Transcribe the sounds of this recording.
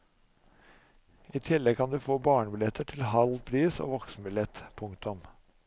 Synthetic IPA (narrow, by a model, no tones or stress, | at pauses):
iːt̪ʰɪlːɛɡ̚kʰɑnd̪ʉːfoːbɑːɳbɪlɛt̪əʈʰɪlɦɑlpʰɾiːso̰ːʋɔksbɪlɛt̪pʰʊŋkt̪ʊm